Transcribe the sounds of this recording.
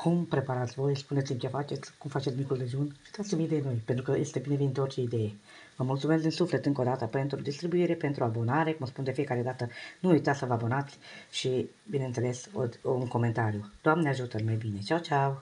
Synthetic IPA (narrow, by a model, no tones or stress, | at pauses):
kʰumpɾe̞paɾat̪sʲvo̞jspunet̪imt͡ʃefat͡ʃe̞t̪sʲkumfat͡ʃet̪smikɾud̪eʒiunʲʃi̥t̪at̪simid̪eeno̞jpe̞nt̪ɾukəjest̪e̞bineveineort͡ʃe̞id̪e̞je | vəmult̪sumes̬kd̪insufle̞t̪ɨŋko̞d̪at̪əpe̞nt̪ɾud̪ist̪ɾibuiɾe̞pent̪ɾuabo̞naɾe̞kuməspund̪e̞fije̞kaɾe̞d̪at̪ənuujt̪at̪səvəabo̞nat̪sʲʃi | bine̞ɨnt̪se̞le̞so̰uŋko̞me̞nt̪aɾjud̪oamneaʒut̪əlmajbine̞t͡ʃawt͡ʃaw